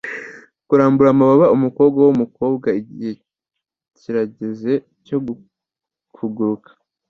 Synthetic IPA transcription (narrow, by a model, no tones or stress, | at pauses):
kuɾaːmbuɾamaβaβaumuko̞ːbɡawumuko̞ːbɡaiɟihe̞ | ciɾaɟe̞ze̞ | co̞ɡu | fuɡuɾukḁ